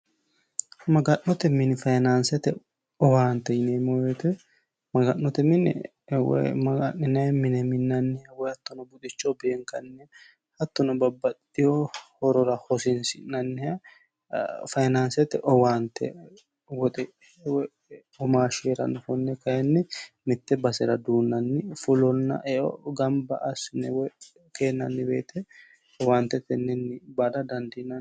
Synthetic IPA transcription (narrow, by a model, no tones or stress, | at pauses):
mɐɡɐnːɔt̪ɛmɪnfɐjnansɛt̪ɛ | ɔwaːnt̪ːɛjɪneːmojɛt̪ɛ | mɐɡɐnːɔt̪ɛmɪn̰ | wɛ̰mɡɐʔɪnɐmɪnɛmɪnːɐnːɪɐwɔjhɐt̪ːɔnɔbʊt̪ʼɪt͡ʃːɔbeːŋkɐnːɛ | hɐt̪ːɔnɔbɐbːɐt̪ | ɪjɔhɔɾɔɾɐhɔsɪnsɪnːɐnːɪjɐ | fɐjnansɛt̪ɛʔɔwaːnt̪ːɛ̰ | wɔt̪ʼɛ | w | ɔmaːʃeːɾɐ̰nɔfɔnːɛkɐjɛnːɪ | mɪt̪ːɛbɐsɛɾɐd̪uːnːɐnːɪfʊlɔnːɐ̰ʔɛʔɔ̰ɡɐmbɐʔɐsɪnɛwɛ | ke̞ːnːɐnːɪbḛːt̪ʰɛ | waːnt̪ːɛt̪ːɛnːɛnːɪbad̪ɐd̪ɐnd̪ɪnɐ